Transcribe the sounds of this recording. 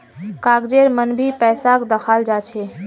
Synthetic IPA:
kaɡd͡ʒeɾmənbʱipɛsakd̪əkʰald͡ʒat͡ʃʰe

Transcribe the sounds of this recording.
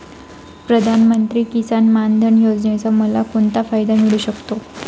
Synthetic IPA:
pɾəd̪ʱanmənt̪ɾiːkisanmand̪ʱənjod͡znat͡saməlakoɳt̪afajd̪amiɭuːɕəkt̪o

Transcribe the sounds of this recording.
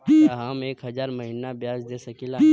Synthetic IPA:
ɦəmeːkɦɐzaːɾmɐɦinabjaːzd̪eːsɐkila

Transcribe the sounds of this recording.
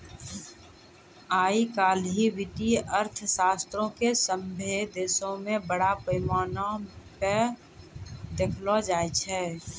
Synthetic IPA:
aːikaːlɦiʋɪʈiəɾt̪ʰsaːst̪ɾõkesə̃mbʱed̪eːsõmẽbəɽapəmaːnope | d̪ekʰlod͡ʒaːjt͡ʃʰɛː

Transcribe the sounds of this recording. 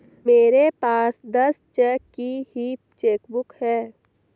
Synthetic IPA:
meːɾepaːsd̪ɐst͡ʃɛːkːihi | t͡ʃeːkbʊkhɛː

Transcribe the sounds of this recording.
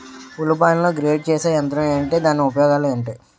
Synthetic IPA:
ulupaːjnloːɡɾeːɖ̚t͡ʃeːseːɛnt̪ɾɐmeːɐɳʈe̞ːd̪aːnːiupɐjɔːɡaːlueːɳʈeː

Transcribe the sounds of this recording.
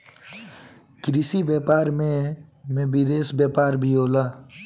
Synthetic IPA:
kɾisibjɛːpaːɾmẽmẽbiɾeːsbjɛːpaːɾbʱioːlaː

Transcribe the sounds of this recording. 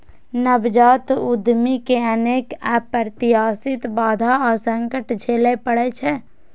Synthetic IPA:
nəbd͡ʒaːt̪ud̪ʱmikeəneːkɛpəɾt̪ɪɦaːsɪt̪baːd̪ʱaɔːɾsə̃ŋkəʈd͡ʒʱeːlepəɽɛt͡ʃʰɛ

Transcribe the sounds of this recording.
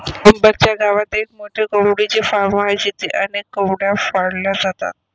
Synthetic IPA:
kumbəɾt͡ɕjaɡaʋat̪ek̚moʈʰekəwɽit͡ɕefaɾmad͡ʑit̪eʔənekːəwɽjafaɽljad͡zat̪a̰t̪̚

